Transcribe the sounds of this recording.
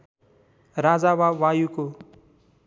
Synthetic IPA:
rad͡zawawajuko

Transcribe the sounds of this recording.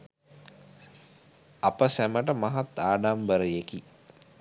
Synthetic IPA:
apəsæməʈəmaɦat̪ːaːɖambəɾəjeki

